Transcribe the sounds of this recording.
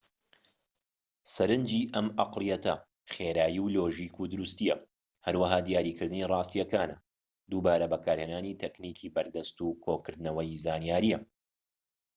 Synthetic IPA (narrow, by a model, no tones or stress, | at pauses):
sɐɾɨnd͡ʒiːʔɐmʔɑqlˠijɛt̪ɐ̰ | χeːɾaːjiwloːʒiːkud̪ɨɾust̪ijɐ | hɐɾwɐɦaːd̪ijaːɾiːkɨɾd̪ɨniːrˤɑːst̪ijɐkaːnɐ̰ | d̪uːbaːɾɐbɐkʰaːɾheːnaːniːt̪ʰekniːkʰiːbɐɾd̪ɐst̪ukʰoːkɨɾd̪nɐwɐjzaːnijaːɾijɐ